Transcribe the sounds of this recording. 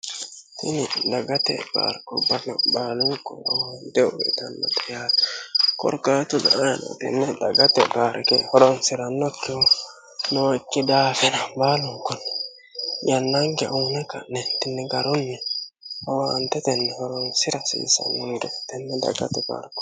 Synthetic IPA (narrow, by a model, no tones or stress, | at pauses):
tinidaɡatɛ̰ba̰ɾkɔbanabaluŋkɔa̰wantɛɔwɛ̰tanːa̰tajatu̥kɔ̰ɾkatun̰ajana̰tɛ̰nːɛdaɡatɛbaɾkɛ̰hɔɾɔnsiɾanokːɛɔ | nokːidafɛnambaluŋkɔn | janːaŋɡɛʔawnaka̰nɛntinːɛɡaɾunːɛ | awantɛt̪ɛnːɛhɔɾɔnsiɾasḭsa̰nuŋdɛtɛnːɛda̰ɡa̰t̪ɛba̰ɾkɔ̥